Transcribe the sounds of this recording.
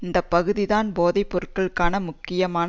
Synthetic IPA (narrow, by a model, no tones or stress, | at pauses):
ɪnd̪ɐpːɐɣɯðɪðaːnboːðɐɪpːɔɾɯʈkɐɭɯkːaːnɐmʊkːɪjɐmaːn